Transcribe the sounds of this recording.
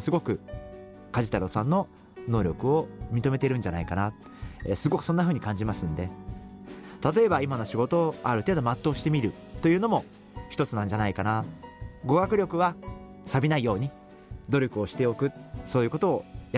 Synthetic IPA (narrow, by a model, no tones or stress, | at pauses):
sɨɡo̞kɯ̟ | kaʑit̪aɾo̞sãnːo̞ | no̞ːɾʲo̞kɯ̟o̞mʲit̪o̞me̞t̪e̞iɾɯ̟̃ɲd͡ʑanaikana | sɨɡo̞kɯ̟̥so̞nːaɸɯ̟ːɲ̟ikãɲ̟d͡ʑimasɨ̃nd̪e̞ | t̪at̪o̞e̞baimano̞ɕiɡo̞t̪o̞ːaɾɯ̟t̪e̞ːd̪o̞mat̪ːo̞ːɕi̥t̪e̞mʲiɾɯ̟ | t̪o̞jɯ̟ːno̞mo̞ | çi̥t̪o̞t͡sɨnãɲ̟d͡ʑanaikanaɡo̞ɡakɯ̟ɾʲo̞kɯ̟βa | sabʲinaijo̞ːɲ̟i | d̪o̞ɾʲo̞kɯ̟o̞ɕi̥t̪e̞o̞kɯ̟so̞ːjɯ̟kot̪o̞ːj